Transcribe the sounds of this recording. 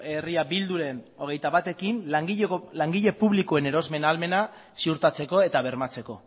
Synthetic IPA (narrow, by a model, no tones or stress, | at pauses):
e̞riabild̪uɾe̞n | o̞ɣ̞e̞jt̪aβat̪e̞kinŋɡlaŋɡiʎe̞puβlikoe̞ne̞ɾo̞zme̞nalme̞na | siuɾt̪at͡se̞ko̞e̞t̪aβ̞e̞ɾmat͡se̞ko̞